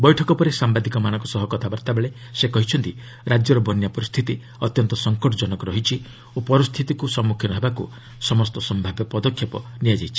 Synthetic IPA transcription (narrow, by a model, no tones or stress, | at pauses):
bɔjʈʰɔkɔpɔɾesambad̪ikɔmañɔ̃ŋkɔsɔɦɔkɔt̪ʰabaɾt̪abeɭe | sekɔɦit͡ʃʰɔnt̪i | ɾad͡ʒjɔɾɔbɔnjapɔɾist̪ʰit̪i | ɔt̪jɔnt̪ɔsɔŋkɔʈɔd͡ʒɔnɔkɔɾɔɦit͡ʃʰi | opɔɾist̪ʰit̪ikusɔmːukʰjɔnɔɦebakṵ | sɔmɔst̪ɔsɔmbʱabjɔpɔd̪ɔkʰjɔpɔ̰nijad͡ʒajt͡ʃʰi̥